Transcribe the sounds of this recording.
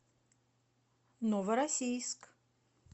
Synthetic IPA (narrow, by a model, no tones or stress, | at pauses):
novɐɾasʲijsk